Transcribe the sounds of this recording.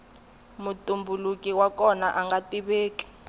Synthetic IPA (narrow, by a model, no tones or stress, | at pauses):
mutʼumbʱulukʼiwakɔnaʔaŋɡatʼiɓeːkʼi̥